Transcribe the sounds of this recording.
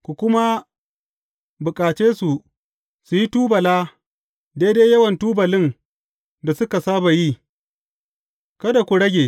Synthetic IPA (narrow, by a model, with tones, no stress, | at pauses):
kʷu˨kʷʊ˦ma˦ | bʊ˨kʼaː˨t͡ʃeː˦su˨ | su˨ji˦tuː˦bɐ˨laː˦ | deː˦deː˦jɐ˦wɐ˨ntuː˦bɐ˨lɪ˦n | da˨sʊ˦ka˨saː˦ba˨ji˦ | kɐ˦da˨kʷu˨ɽɐ˦ɡʲe˨